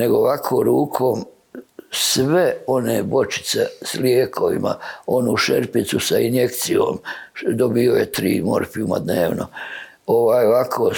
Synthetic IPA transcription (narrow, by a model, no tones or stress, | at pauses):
ne̞ɡooʋakʰoːɾuːkʰo̞ːm | sʋeo̞neːbo̞t͡ʃi̥t̪se̞̰sljeːkʰo̞ʋḭma̰o̞nuʃḛɾpit̪susainje̞kt̪sio̰ːmd̪o̞biojet̪ɾḭːmo̞̰ɾfiuma̰d̪nḛːʋno̰ | oʋaːjoʋakʰo